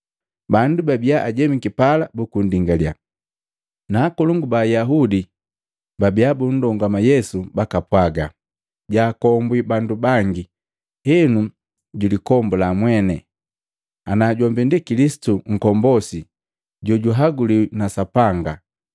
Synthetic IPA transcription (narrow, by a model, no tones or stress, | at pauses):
bandubabiaʔaɟɛmikipalabukundiŋɡalia̰ | naːkɔluŋɡubajaɦudi | babiabun̩dɔŋɡwamajɛsubakapwaɡa | ɟaːkɔmbwibandubaŋɡi | hɛnu | ɟulikɔmbulamwɛnɛ | anaːɟɔmbindikilisi̥tuŋ̩kɔmbɔsi | ɟɔɟuɦaɡulinasapaŋɡa